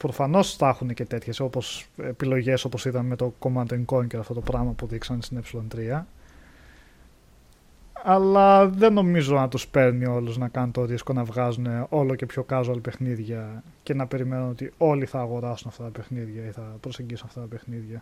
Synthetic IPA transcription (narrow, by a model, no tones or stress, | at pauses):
pɾo̞fɐno̞sθɐxune̞ce̞t̪e̞t̪çe̞so̞po̞sepilo̞ʝe̞so̞po̞siðɐnme̞t̪o̞ko̞mɐt̪oeŋko̞ɲceɾɐft̪o̞t̪o̞pɾɐmɐpuðiksɐnst̪inepsilo̞nt̪ɾiɐ | ɐlɐðe̞no̞mizo̞nɐt̪uspe̞ɾnio̞luznɐkɐnunt̪o̞ðisko̞nɐvɣɐzune̞o̞lo̞ce̞pço̞kɐzoɐlipe̞xniðʝɐ | ce̞nɐpe̞ɾime̞nuno̞t̪io̞liθɐːɣo̞ɾɐsunɐft̪ɐt̪ɐpe̞xniðʝɐiθɐpɾoseɲɟisunɐft̪ɐt̪ɐpe̞xniðʝɐ